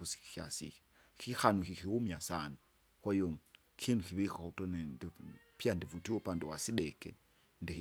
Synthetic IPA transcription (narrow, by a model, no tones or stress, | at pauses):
usi̥kia̰sḭki̥ | kʰixanukikiumiasanu | kwajoŋ | kʰinukiβikutɔnɛndipiandivutiɔpandiwasiɗɛkɛ | ndi